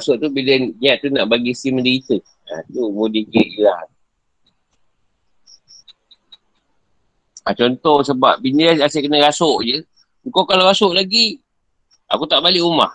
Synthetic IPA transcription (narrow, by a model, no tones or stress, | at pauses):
asʊʔt̪ubidɛnɲiaʔt̪unaʔbaɡisimədəit̪ə | a̰t̪umudikəʔilah | at͡ʃɔnt̪ɔhsəbap̚binəaseʔkənəɡasʊʔd͡ʒə | ŋkokaloɣasoʔlaɡi | a̰kut̪aʔbaliʔuma̰h